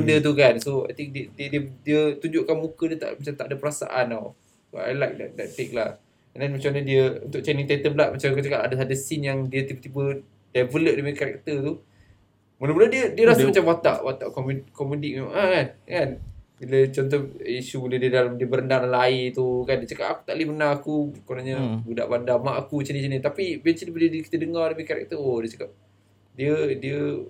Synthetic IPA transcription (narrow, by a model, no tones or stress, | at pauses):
ndət̪̬ukansoa̰jt̪ĩŋk̚diədədiədiət̪uɲd͡ʒʊʔkanmukədiət̪a̰mat͡ʃamt̪aʔadəpəɾasa̰ʔanaw | so̰a̰jlajk̚dɛ̰t̚dɛt̪ːek̚lah | ɛndanmat͡ʃamaɲədiəṵnt̪ʊʔ̚t͡ʃɛniŋt̪at̪əblat̪̚mat͡ʃamkat͡ʃəkaʔa̰dəsadəsinjaŋdiət̪ibət̪ibə | dɛvələʔ̚dəŋəkaɾɛ̰k̚t̪ət̪u | mələbulədiədiəɾasumat͡ʃamwat̪a̰ʔwat̪a̰ʔkɔmukɔmudik̚mema̰ŋʔakankanbilət͡ʃɔnt̪̬ɔhiʃubulɛhdiədalamdiəbəɾəndalalait̪ukandiət͡ʃaka̰ʔaku̥t̪aʔlibənaɦakukonaɲə̃buda̰ʔbandamaʔakut͡ʃənit͡ʃənit̪apibɛnsidibədiədiki̥t̪ədəŋardəmikaɾɛ̰k̚t̪əodiət͡ʃḁkap̚ | diədiə